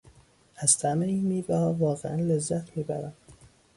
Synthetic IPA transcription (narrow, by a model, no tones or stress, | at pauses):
æzt̪ʰæmeiːnmiːbæhɒːvɒːɣeænlezːæt̪ʰmiːbæ̰ɾæm